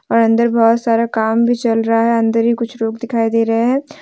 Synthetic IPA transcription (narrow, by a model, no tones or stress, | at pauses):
ɔːɾɐ̃nd̪əɾbɔːt̪saːɾakaːmbʱit͡ʃɐlɾɐɦaɦɛɐ̃nd̪əɾɦikʊt͡ʃʰɾoːɡd̪ɪkʰaːid̪eːɾɐɦeɦɛ̃ː